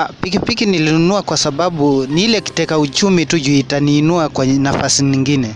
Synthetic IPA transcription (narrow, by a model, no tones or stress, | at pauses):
pikipikinilinunuakwasaɓaɓuniilɛki̥tɛkaut͡ʃumituʄuitaniːnuakwaɛnafasiɲiŋɡinɛ